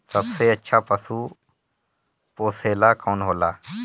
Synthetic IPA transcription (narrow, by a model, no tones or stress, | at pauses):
səbseətːʃʰaːpəsuː | poːseːlaːkoːnɦoːlaː